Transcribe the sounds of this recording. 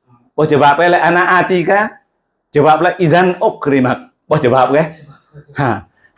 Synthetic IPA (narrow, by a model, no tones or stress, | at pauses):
ɓɔd͡ʒabap̚kɛlɛʔanaʔatika | d͡ʒabap̚laʔizanokːɾimak̚ | ɓɔd͡ʒabap̚kɛ | ha